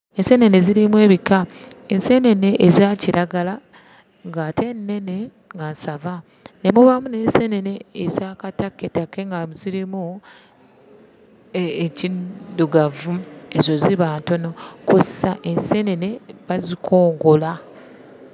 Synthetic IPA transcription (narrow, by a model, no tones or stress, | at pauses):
e̞nsene̞ne̞ziɾimwe̞ːβikaense̞ne̞ne̞ʔːzaːciɾʔaɡala | ŋɡaːtʰe̞nːe̞ne | ŋɡansava | ne̞muβamune̞ːnsene̞ne̞ːzaːkatakːetakːeŋɡamuziɾimu | eciduɡavuezo̞ziβaːnto̞no̞kussaʔense̞ne̞ne̞βazikʰo̞ːŋɡo̞la